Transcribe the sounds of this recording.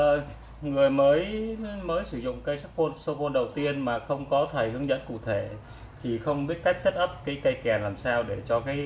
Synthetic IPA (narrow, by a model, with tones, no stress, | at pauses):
ŋɨ˨˩əjməː˨˦jməː˨˦jsɨ˧˩zʊ̰˧˨ŋ͡mkaː˨˦jsa˦˥k̚po˧nso˧po˧nɗə˨˩wt̪i˧ənmaː˨˩xə˧wŋ͡mkɔ˨˦t̪ʰə˨˩jhɨ˨˦əŋzə̰˧˥nkṵ˧˨t̪ʰe˧˩ | t̪ʰi˨˩xə˧wŋ͡mɓi˦˥ət̚ka˦˥jk̚sə˦˥t̚ʔə˦˥p̚kaː˨˦jkə˧jkɛ˨˩nlaː˨˩msaː˧wɗe˧˩t͡ɕɔ˧kaː˨˦j